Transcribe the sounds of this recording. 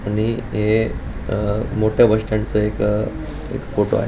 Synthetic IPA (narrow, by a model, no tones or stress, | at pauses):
aɽ̃iɦe | moʈʰjabʱəʂʈãnt͡səek | ḛkfoʈo̰a̰ɦe